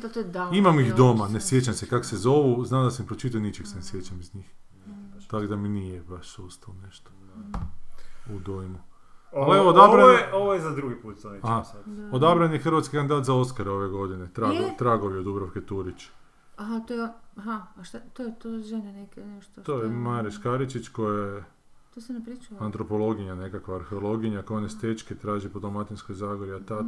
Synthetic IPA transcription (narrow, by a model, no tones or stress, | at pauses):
d̪at̪ojd̪aimamixd̪o̞manesje̞t͡ɕamsekakosezo̞ʋuznaːmd̪asampɾot͡ʃit̪aonit͡ʃeksenesjet͡ɕamizɲiːx | t̪akd̪aminijebaʃsust̪aloneʃt̪o̥ | ud̪ojmu | alieʋood̪abɾaeoʋojezad̪ɾuɡipuːt̪saniahaod̪abɾanjexrɾʋat̪skikand̪id̪aːt̪zao̞skaɾeo̞ʋeɡo̞d̪inet̪ɾaot̪ɾaɡoʋjeod̪ubɾaʋket̪uɾit͡ɕ | aɦat̪ojeaɦaʃt̪at̪ojet̪oʒenenekenɛʃt̪ot̪oːjemaɾiʃkaɾit͡ʃit͡ɕko̞jae | t̪osenepɾit͡ʃuant̪ɾo̞po̞lo̞ɡiɲane̞kakʋaːɾxeolˠo̞ɡiɲakojanest̪et͡ʃket̪ɾaːʒipod̪omat̪insko̞jzaːɡoɾiat̪a